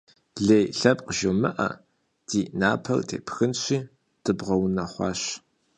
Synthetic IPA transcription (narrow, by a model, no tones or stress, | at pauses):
ɮeːjɬɐpqəʒowmɨʔɐ̰ | d̥iːʔnaːpʰɐ̰ldʰḛːpʰxɨnɕʷiː | d̥ɨbʁɐwnɐχʷɑ̰ːɕ